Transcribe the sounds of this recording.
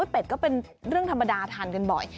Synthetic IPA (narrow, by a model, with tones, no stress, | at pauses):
o˦˥t̪̚pe˨˩t̪̚kɔː˥˩pe˧nɾɯ˥˩əŋt̪ʰa˧mːa˧daː˧t̪ʰaː˧˩nka˧nbɔ̰˨˩j